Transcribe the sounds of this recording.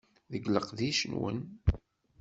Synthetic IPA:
ðəɡləqðiʃənwə̰n

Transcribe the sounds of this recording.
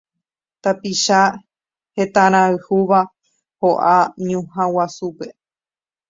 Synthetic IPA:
t̪apiʃa | he̞t̪ãɾ̃ãɨhuʋa | hoʔaɲũhãwasupe̞

